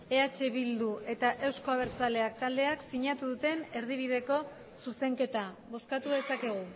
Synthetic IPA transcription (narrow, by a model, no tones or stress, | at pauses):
e̞at͡ʃe̞βild̪uʔe̞t̪aʔe̞wsko̞aβ̞e̞ɾt͡sale̞ak̚t̪ald̪e̞aksiɲat̪uðut̪e̞ne̞ɾð̞iβ̞ið̞e̞ko̞ | suse̞ŋke̞t̪a | βo̞skat̪uðe̞sake̞ɣ̞u